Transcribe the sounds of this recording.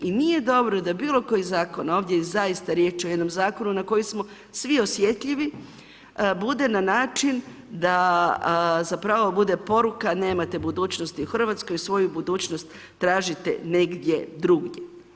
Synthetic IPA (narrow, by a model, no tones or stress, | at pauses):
inije̞d̪o̞bɾo̞d̪abiːlˠo̞ko̞jizaːko̞naoːʋd̪jeizaist̪aɾje̞ːt͡ʃojed̪no̞mzaːko̞nunako̞jismo̞ | sʋio̞sje̞t̪ʎʲiʋi | bud̪e̞nanaːt͡ʃin | d̪a | zapɾaʋobud̪e̞po̞ɾukane̞ːmat̪e̞bud̪uːt͡ɕnost̪iuxr̩ʋat̪sko̞jusʋo̞jubud̪uːt͡ɕnost̪ː | ɾaːʒit̪ḛne̞ɡd̪je̞d̪ɾuɡɲe